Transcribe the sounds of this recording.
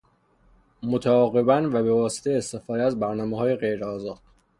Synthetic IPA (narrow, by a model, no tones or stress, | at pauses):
mot̪ʰæɒːɣe̞bænvæbe̞vɒːse̥t̪ʰejeːst̪e̞fɒːd̪ææzbæɾnɒːmeɦɒːje̞ɣe̞jɾeɒːzɒːd̪̥